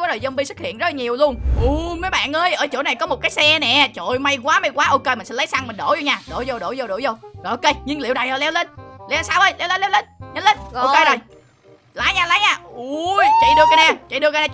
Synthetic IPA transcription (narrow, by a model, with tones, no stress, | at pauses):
ɔ˨˦zo˨˩jzə˧mɓi˧sʊ˦˥hḭ˧˨ənz̚la˨ɲi˨˩əwlu˧ənʔu˧˩məː˨˦jɓa̰ː˧˨nʔəː˧jʔəː˧˩t͡ɕo̰˧˩˦na˨˩jkɔ˨˦mo˨˩t̚kaː˨˦jsɛ˧nɛ̰˧˨t͡ɕo̰˧˨jma˧jk̬waː˨˦ma˧jkwaː˨˦ʔo˧ke˧m̟˨˩sɛ̰˧˥lə˨˦jsa˧ŋmï˨˩ŋ̟ɗo˧˩zo˧ɲaː˧˩ɗo̰˧˩zo˧˩ɗo̰˧˩zo˧˩ɗo̰˧˩˦jzo˧˩o˨˩˨ʔo˧ke˧jɲɨ˧ŋli˧˨wɗa˨˩jə˨˧˩lɛ˨˦wle˧nlɛ˨˧˦saː˧wʔə˧jlɛ˨˦wle˨˦lɛː˨˦wle˧˩nɲa˨˦le˧no˧ke˧jzo˨˩j | laː˨˦jɲaː˧˩la˨˦jɲaː˧˩ʔu˧˩t͡ɕa̰˧˩ɗɨ˧əkaː˧˦naː˧˩t͡ɕa̰˧˨ɗɨ˧ka˧naː˧